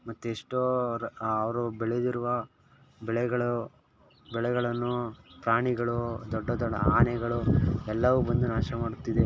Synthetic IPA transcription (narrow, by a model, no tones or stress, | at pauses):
mɐt̪ːueʂʈoːɐʋɐɾubɛɭed̪iɾuʋɐ | bɛɭɛɡɐɭu | bɛɭɛɡɐɭɐnːupɾaːɳiɡɐɭud̪ɔɖːɐd̪ɔɖɐaːnɛɡɐɭuɛlːɐʋubɐnd̪unaːʃɐmaːɽut̪ːid̪e̞